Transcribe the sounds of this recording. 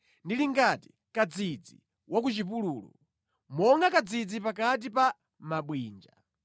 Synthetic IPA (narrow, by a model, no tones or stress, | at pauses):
ndiliŋɡati̥ | kad͡zid͡zḭ | wak̬ut͡ʃipuluːlṵ | mɔŋɡakad͡zid͡zipakat̬ipa | maɓwiːnd͡ʒa̰